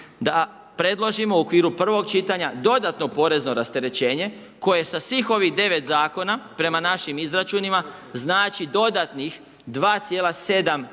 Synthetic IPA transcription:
d̪a | pɾe̞d̪lˠo̞ʒimo̞uokʋiːɾupr̩ʋo̞ɡt͡ʃit̪aɲad̪o̞d̪at̪no̞po̞ɾe̞zno̞ɾast̪e̞ɾe̞t͡ɕe̞ːɲe̞ | ko̞je̞sasʋiːxo̞ʋiɣd̪e̞ʋe̞t̪zaːko̞napɾe̞manaʃimizɾat͡ʃunimaznaːt͡ʃid̪o̞d̪at̪nix | d̪ʋaːt̪sʲje̞ːlase̞d̪am

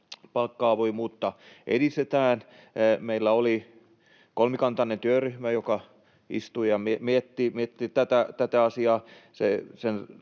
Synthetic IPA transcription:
pɑlkːɑːʋoimuːt̪ːɑʔḛdist̪et̪æːn | meilːæoli | kolmikɑnt̪ɑnent̪yøryhmæjokɑ | ḭst̪uijɑmimiet̪ːimiet̪ːit̪æt̪æt̪æt̪æɑsiɑːsesen

